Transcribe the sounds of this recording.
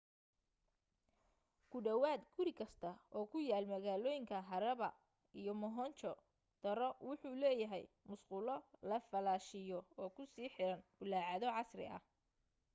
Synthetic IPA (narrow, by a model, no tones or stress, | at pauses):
kʰʊɖɐwaːd̪ɡʊɾɪkʰɐst̪ʰɐɔːkʰʊjaːlmɐɣaːlɔːjɪŋkʰɐɦɐɾɐβɐ | ijɔmɔɦɔnt͡ʃɔ | d̪̥ɐɾɔwʊħuːlɛːjɐɦɛ̰j | mʊsqʊlɔlɐfɐlaːʃɪjɔɔːkʰʊsiːħɪɾɐnbʊlaːʕɑðɔʕɑsrɪ̰ʔɐ̰h